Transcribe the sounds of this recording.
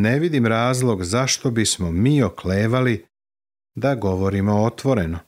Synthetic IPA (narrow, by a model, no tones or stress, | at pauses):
ne̞ʋid̪imɾaːzlˠo̞ɡzaʃt̪o̞bismo̞miːo̞kle̞ːʋali | d̪aɡo̞ʋo̞ɾimo̞ot̪ʋo̞ɾe̞no